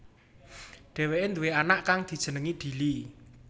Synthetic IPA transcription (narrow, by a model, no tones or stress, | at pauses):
ɖ̥ɛ̤weʔend̪uweanaʔkaŋd̪̥i̤d̥ʒ̥ə̤nəŋiɖ̪̥i̤li